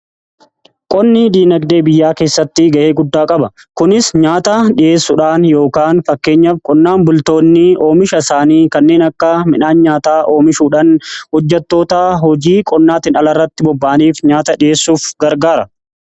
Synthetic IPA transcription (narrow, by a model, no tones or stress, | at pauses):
kʼɔnːɪd̪iːnɐɡd̪e̞ːbɪjːaːke̞ːsːɐt̪ːɪɡɐʔe̞ːɡʊd̪ːaːkʼɐbɐ | kʊnɪsɲaːt̪ɐᶑɪʔe̞ːsːʊᶑaːnjo̞ːkaːnfɐkːe̞ːɲːɐfkʼɔnːaːnbʊlt̪o̞ːnːɪo̞ːmɪʃɐɪsaːniːkɐnːe̞ːnɐkːɐmɪᶑaːnɲaːt̪aːʔo̞ːmɪʃuːᶑɐnhɔd͡ʒːɛt̪ːo̞ːt̪aːɦɔd͡ʒiːkʼɔnːaːt̪ɪnɐlɐrːɐt̪ːɪbɔbːaːniːfɲaːt̪ɐᶑɪje̞ːsːuːfɡɐɾɡaːɾɐ